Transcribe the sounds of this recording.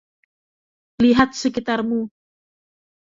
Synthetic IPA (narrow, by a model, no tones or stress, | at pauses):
liɦat̪̚səkit̪armu